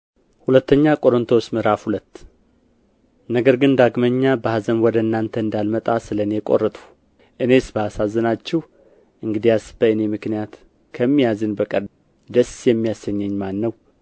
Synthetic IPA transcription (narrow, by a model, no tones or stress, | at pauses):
hulət̪ːəɲːakʼo̞ɾɨnt̪ʰosmɨɾafhulət̪ː | nəɡəɾɡɨnd̪aɡməɲːabəhazənwɔd̪əɨnːant̪ʰəɨnd̪almət̪ʼasɨləne̞kʼo̞̰rːət̪ʼu̥ | ʔɨne̞sbəasazːənat͡ʃːɛh | ʔɨŋɡɨd̪ijasbəɨne̞mɨknijat̪ | kʰəmːijazɨnbəkʼəɾ | d̪əsjɛmːijasəɲːɛɲːmanːəw